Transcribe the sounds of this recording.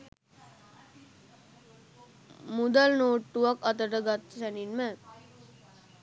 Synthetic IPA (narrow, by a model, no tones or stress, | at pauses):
mud̪alnoːʈːuʋakɐt̪əʈəɡat̪ːsæninmə